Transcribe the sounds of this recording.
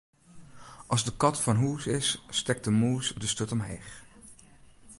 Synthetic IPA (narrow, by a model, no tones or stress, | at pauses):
ʔɑlˠzdəkɑtfɑnɦuːsɪsːtɛk̚dəmuːsdəstøtɔmɦḛːχ